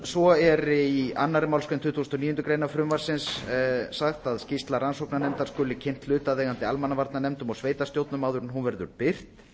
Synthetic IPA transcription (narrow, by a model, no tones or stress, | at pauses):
svɔɛɾɪia̰nːaɾɪmawlskʏnt̪ʰʏːt̪ʰusnɔniːjʏnt̪ʏkɾejnafɾʏmvaɾ̥sɪnsː | axt̪aðscist̪laɾansowknanɛmt̪aɾ̥skʏːlɪcʰɪn̥t̪lʏːt̪aðɛːɣant̪ɪalmanavaɾt̪nanɛmt̪ʏmɔɣsveːjt̪ast̪jowt̪nʏmaːwðʏɾɪnɦunvɛɾðʏɾpɪr̥t̪